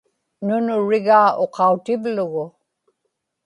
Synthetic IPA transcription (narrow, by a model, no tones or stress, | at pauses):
nʊnʊɻɪɣaːo̞qɑut̪ɪvlʊɣʊ